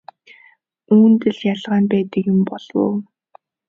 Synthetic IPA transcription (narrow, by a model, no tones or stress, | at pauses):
uːnt̪ɘ̆ɮjaɮʁaːnpæːt̪ə̆kjʊmpɔɮ̥wo̰ː